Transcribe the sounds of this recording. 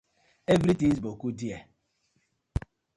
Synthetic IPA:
evɾitĩŋzbokudia

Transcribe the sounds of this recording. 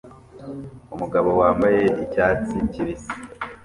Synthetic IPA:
umuɡaβo̞waːmbaje̞icaːt͡siɲciɾisi

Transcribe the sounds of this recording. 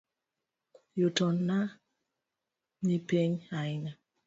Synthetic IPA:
jotɔnːa | nipeɲaɪna

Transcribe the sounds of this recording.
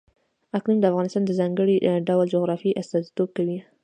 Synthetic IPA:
aknund̪əafɣɑnɪst̪ɑnd̪əzɑŋɡəɽiɖawld͡ʒoɣɾɑfiʔast̪ɑzi̥t̪ob̚kawi

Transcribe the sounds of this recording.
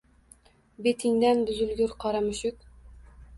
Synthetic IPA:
bet̪ʰiŋd̪ænb̪ɵ̆zɵ̆lɡɵɾqɑɾɑmɵ̆ɕɵk

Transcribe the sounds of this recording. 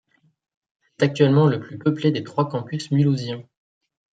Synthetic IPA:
sɛ̥t̪ak̚t̪ɥɛlmɑ̃ləplypəpled̪et̪χwakɑ̃pysmyluzjɛ̃

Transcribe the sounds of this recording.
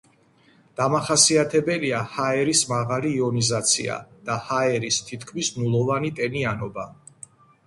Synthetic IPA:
d̪̥amaχasiat̪ʰɛbɛliahaɛɾismaʁaliːɔnizat̪sʰḭa̰d̪̥ahaɛɾist̪ʰit̪ʰkʰmisnulˠɔvanit̪ʼɛnianɔba

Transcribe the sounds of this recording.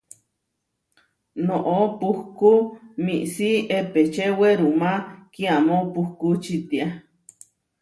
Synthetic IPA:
noʔopuhkumiʔsiepet͡ʃeweɾumakiamopuhkut͡ʃit̪ia

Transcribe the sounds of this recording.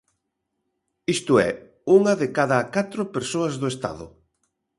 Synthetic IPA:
ist̪ʊɛ̰ | uŋɐðɪkaðɐkat̪ɾʊpeɾsoɐzðʊest̪a̰ðʊ̰

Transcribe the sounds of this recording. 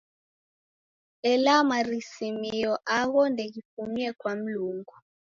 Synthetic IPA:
ɛlamarisimijɔʔaɣɔndʱɛɣipumiɛkwam̩luːŋɡu

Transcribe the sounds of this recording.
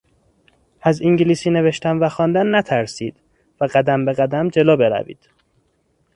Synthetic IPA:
ʔæziŋɟiliːsiːne̞ve̞ʃt̪æmvæxɒːnd̪ænːæt̪ʰæɾsiːd̪̥ | væɢæd̪æmbe̞ɣæd̪æmd͡ʒe̞lɒːbe̞ɾæ̰vḭːd̪̥

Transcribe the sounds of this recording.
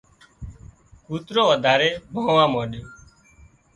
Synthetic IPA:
kuːt̪ɾoːʋəd̪ʱaːɾeːbʱõːʋãːmõːɗɪjõː

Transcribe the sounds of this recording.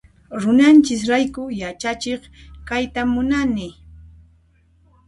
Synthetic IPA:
ɾʊnant͡ʃɪs̬ɾajkʊjat͡ʃat͡ʃeχkajt̪amʊnanɪ

